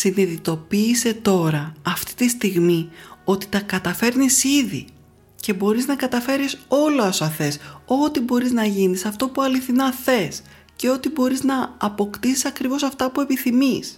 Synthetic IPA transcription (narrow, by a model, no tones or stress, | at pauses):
siniðit̪o̞piːse̞t̪o̞ɾɐɐft̪i̥t̪ist̪iɣmio̞t̪i̥t̪ɐkɐt̪ɐfe̞ɾnisiðḭ | ce̞bo̞ɾiznɐkɐt̪ɐfe̞ɾiso̞loɐsɐθe̞so̞t̪ibo̞ɾiznɐʝinisɐft̪o̞puɐliθinɐθe̞s | ce̞o̞t̪ibo̞ɾiznɐːpo̞kt̪isisɐkɾivo̞sɐft̪ɐpue̞piθimis